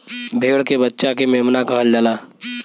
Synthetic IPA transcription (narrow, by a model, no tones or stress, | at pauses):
bʱeːɡəɽkebətːʃakemeːmnakɐɦəld͡ʒalaː